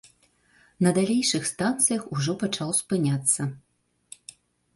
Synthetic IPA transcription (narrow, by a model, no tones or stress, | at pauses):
nɐd̪alʲejʂɨxst̪ant̪sɨjɐxuʐɔpat͡ʂawspɨnʲat̪sːɐ